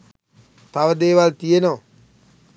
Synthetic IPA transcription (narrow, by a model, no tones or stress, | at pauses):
t̪aʋəd̪eːʋalt̪ijenoː